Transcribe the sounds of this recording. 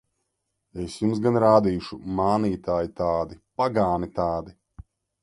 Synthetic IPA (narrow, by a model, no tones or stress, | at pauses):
esjumsɡanɾaːd̪iːʃumaːniːt̪aːjit̪aːd̪ipaɡaːnit̪aːd̪i